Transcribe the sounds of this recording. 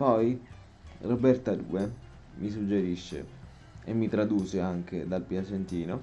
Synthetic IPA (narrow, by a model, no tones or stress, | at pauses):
pɔj | robɛrt̪ad̪ṵːe | mis̬ud͡ʒːeɾiʃːḛ | ḛmːit̪ɾad̪uːseaŋk̟ed̪alpjasent̪iːno